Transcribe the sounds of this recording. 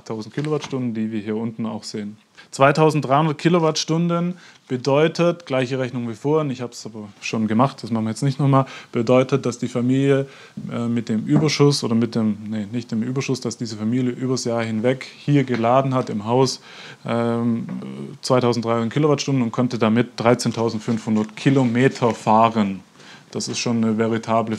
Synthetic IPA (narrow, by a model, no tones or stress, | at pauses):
tʰaʊzn̩tkʰilovaɐtʃtʊndn̩diːviːɐɦiːɐʔʊntn̩a̰ʊxz̥eːən | t͡sv̥aɪtʰaʊzn̩td̥ʁaɪhʊndɐt̚kʰilovaɐtʃtʊndən | b̥ədɔʏtʰətɡ̥laɪçəʁɛçnʊŋviːfoːɐənɪçhaːbəsʔaːbɐʃoːnɡəmaχt̚d̥asmaχn̩viəjɛt͡stnɪçtnɔχmaːlb̥ədɔʏtət̚d̥asd̥iːfamiːljə | ʔɛmɪt̚d̥eːmʔyːbɐʃʊsʔo̰ːdɐmɪt̚d̥eːmnənɪçt̚d̥eːmʔyːbɐʃʊsd̥asd̥iːzəfamiːljəʔyːbɐsjaːɐhɪnvɛkhiːɐɡəlaːdn̩hatɪmɦaʊs | ʔɛ | t͡sv̥aɪtaʊzn̩td̥ʁaɪʊn̚kʰilovaɐtʃtʊndn̩ʊntkʰɔntədamɪt̚d̥ʁaɪt͡seːntʰaʊzn̩tfʏnfhʊndɐtkʰilomeːtʰɐfaːʁən | d̥asɪstʃoːnːəvɛʁitʰaːblə